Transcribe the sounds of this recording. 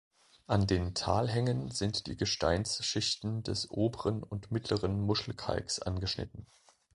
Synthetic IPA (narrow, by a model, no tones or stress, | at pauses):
ʔandeːntʰaːlɦɛŋənzɪntd̥ḭːɡəʃta̰ɪnsʃɪçtn̩dɛsʔoːbəʁənʊntmɪtʰləʁənmʊʃl̩kʰa̰lksʔa̰nɡəʃnɪ̰tn̩